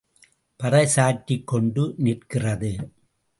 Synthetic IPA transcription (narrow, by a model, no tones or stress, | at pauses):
pɐɾɐɪsaːʈːikːɔɳɖɯnɪrkɪrɐðɯ